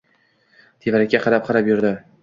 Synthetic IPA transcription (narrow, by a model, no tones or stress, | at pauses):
t̪ʰevaɾakʲːaqʰɑɾap̚qʰɑɾapjʊɾd̪ɪ